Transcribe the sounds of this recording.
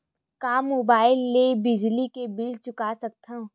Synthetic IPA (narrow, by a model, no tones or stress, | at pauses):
kaːmːoːbaːɪlːebɪd͡ʒlikebɪlt͡ʃʊkasɐk̚t̪ʰã